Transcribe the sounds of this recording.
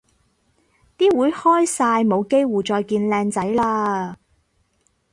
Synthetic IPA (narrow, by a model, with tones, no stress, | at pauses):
t̪iː˥wuː˨˥jhɔː˥jsaː˧jmo˨˧wke˥jwuː˨˩t͡sɔː˧jkiː˧nlɛː˧ŋt͡sɐ˨˥jlaː˧